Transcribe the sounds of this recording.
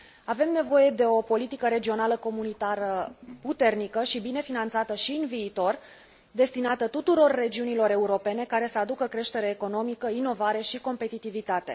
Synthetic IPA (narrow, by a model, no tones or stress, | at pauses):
ave̞mne̞vo̞je̞d̪e̞o̞po̞lit̪ikəɾe̞d͡ʒio̞naləko̞munit̪aɾəput̪e̞rnikəʃibine̞finant̪sat̪əʃiɨnviːt̪o̞r | d̪e̞st̪inat̪ət̪ut̪uɾo̞rːe̞d͡ʒiunilo̞ɾe̞uɾo̞pe̞ne̞kaɾe̞səad̪ukəkɾe̞ʃt̪e̞ɾeːko̞no̞mikəino̞vaɾe̞ʃiko̞mpe̞t̪it̪ivit̪at̪e̞